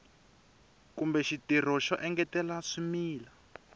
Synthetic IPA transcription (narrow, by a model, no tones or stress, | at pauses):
kumbɛʃitir̤ɔʃɔʔɛŋɡɛtɛlaʂimiːla